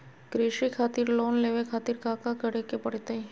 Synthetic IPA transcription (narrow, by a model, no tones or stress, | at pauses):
kɾiʃikʰaːt̪ɪɾloːnleːʋekʰaːt̪ɪɾkaːkakəɽekepəɽt̪ẽ